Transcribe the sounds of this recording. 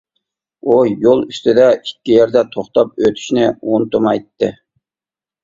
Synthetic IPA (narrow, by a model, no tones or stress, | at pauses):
ujolˠyst̪ʰɪd̪ɛikʲːijɛɾd̪ɛt̪ʰoχt̪ɑp̚øt̪ʰy̥ʃnɪont̪ʊmɑjt̪ːɨ